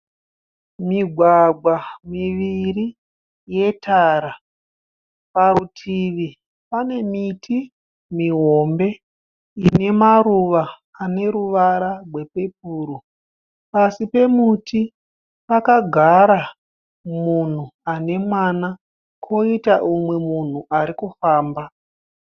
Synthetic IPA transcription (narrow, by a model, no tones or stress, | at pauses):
miɡʱwaɡʱwamiʋiri | je̞tʰaːɾa | parutʰiʋi | pane̞mitʰi | miɦo̞mbe̞ | ine̞maɾuʋaː | ne̞ɾuʋaɾarwe̞pe̞p̚uːɾu | pasipe̞mutʰi | pakaɡʱaɾa | mun̤uane̞mwana | kʰo̞itaʔumwe̞mun̤uʔaɾikufaːmba